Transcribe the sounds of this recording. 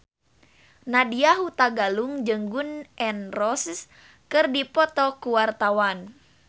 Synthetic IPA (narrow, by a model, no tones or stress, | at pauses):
nadiaɦut̪aɡaluŋd͡ʒɨŋɡunʔɛnrɔss | kɨrdipɔt̪ɔkuwart̪awan